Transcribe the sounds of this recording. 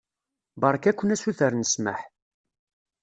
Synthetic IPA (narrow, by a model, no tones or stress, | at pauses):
bɑɾˤkækʷːənæsuθəɾnəsmə̰ħ